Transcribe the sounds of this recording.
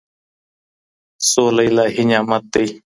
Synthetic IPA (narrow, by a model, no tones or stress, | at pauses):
soːləilaːɦɪɲãːmət̪ei